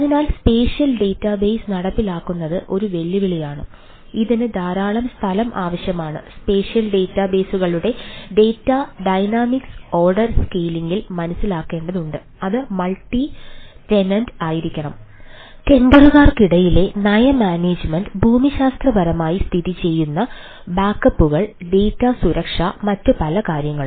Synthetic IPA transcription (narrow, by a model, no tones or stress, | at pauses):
ɐðinaːlspe̞ːɕijɐlɖe̞ːtːabe̞ːsnɐɽɐpːilaːkːunːɐðɨʔo̞ɾuʋe̞ɭjiʋiɭijaːɳɨ | iðinɨd̪ʱaːɾaːɭɐmst̪ʰɐlɐmʔa̰ːʋɐɕjɐmaːɳɨ̰spe̞ːʂjɐlɖe̞ːtːabe̞ːsuɣɐɭuɽe̞ɖe̞ːtːɐɖɐjnaːmikso̞ːrɖɐrskeːliŋɡilmɐnɐsːilaːkːe̞ːɳɖɐðuɳɖɨ | ɐðɨmɐlʈiʈe̞nɐndaːjiɾikʲːɐɳɐm | ke̞nd̪ɐruɣaːrkiɽɐjile̞nɐjɐmaːneːd͡ʑmɐɳɖbʱuːmiɕaːst̪rɐbɐɾɐmaːjist̪ʰiðit͡ɕe̞jːunːɐ | baːkːɐpːuɣɐɭɖe̞ːtːasuɾɐkʂamɐtːɨpɐlɐkaːɾjɐŋːɐɭ